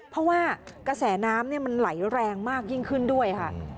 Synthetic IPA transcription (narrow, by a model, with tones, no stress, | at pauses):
pʰɾɔ˦˥waː˥˩ka˧sɛː˩˦naː˦˥mni˥˩ɐma˧nla˩˦jɾɛː˧ŋmaː˥˩k̚ji˥˩ŋkʰɯ˥˩ndu˥˩əjkʰa̰˥˩